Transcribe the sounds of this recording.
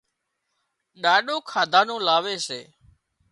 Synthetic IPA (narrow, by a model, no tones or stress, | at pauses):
ɗaːɗoːkʰaːd̪ʱaːnõːlaːʋeːseː